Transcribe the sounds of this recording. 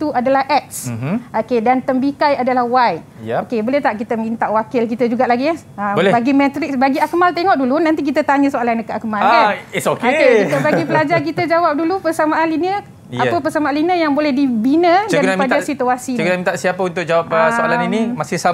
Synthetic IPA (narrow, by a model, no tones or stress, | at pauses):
it̪uadalahʔɛt̪̚sʔokedant̪əmbikajadalahwaj | okebolɛht̪aʔkit̪əmint̪aʔwakɪlk̬it̪əd͡ʒuɡaʔlaɡia | əblɛbaɡimɛ̃t̪ɾɪk̚sbaɡiakəmalt̪eŋɔʔdulunãnt̪ik̬it̪ət̪aɲə̃soalanəkəʔakmalaanisokekit̪əbaɡipəlad͡ʒark̬it̪əd͡ʒawap̚dulupərsamaalinə | apəpərsamaalinə̃jaŋbolɛhdibinə̃daaiad͡ʒasit̪əwasiəknamĩnt̪aʔsiapəunt̪ʊk̚d͡ʒawap̚əsoalaninimasɪhsa